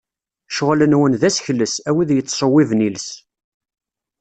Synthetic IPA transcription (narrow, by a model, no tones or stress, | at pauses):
ʃəʁlənwənðæsçləsæwiðjət͡s̪ːsˤəwːivnils